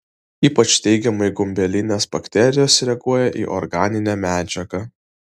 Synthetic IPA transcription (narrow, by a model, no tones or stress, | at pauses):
iːpɐt͡ʃt̪ʲɛɪɡʲɛmɐɪɡʊmʲbʲɛlʲɪnʲeːsbɐkʲt̪ʲɛɾʲɪjoːsɾʲɛɡuɔjɛʔḭːʔɔɾɡɑːnʲɪnʲæːmʲæːd͡ʒʲɛɡɐ